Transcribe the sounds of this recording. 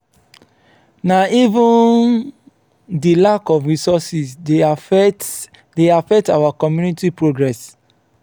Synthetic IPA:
naivũn | dilakɔfɹisɔsis | deafɛk̚tawakɔmjunitipɹoɡɹɛs

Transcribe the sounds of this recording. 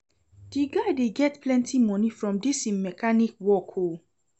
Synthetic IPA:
d̥iɡadeɡɛtplɛ̃ntʰimɔ̃nĩfɹɔ̃mdisĩmɛkanikwɔkʰo

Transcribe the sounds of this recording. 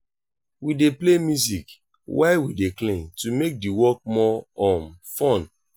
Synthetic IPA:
wideplemjuzik | waɪwideklẽntumek̚diwɔk̚mɔɔ̃nfɔ̃n

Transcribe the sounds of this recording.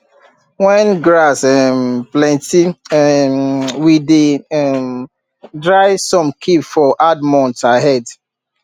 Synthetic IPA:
wɛ̃nɡɹasɛmplɛ̃nti | wideɛm | dɹaɪsɔ̃mkʰipfɔʔad̚mɔ̃ntaɦɛd

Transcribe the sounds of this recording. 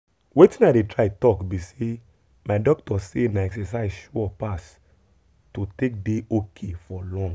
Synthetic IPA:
wetĩnaɪdetʰɹaɪtɔkbise | maɪdɔk̚tɔsenaɛksɛs̬aɪzʃuɔpas | totek̚deʔokʰefɔlɔ̃ŋɡ

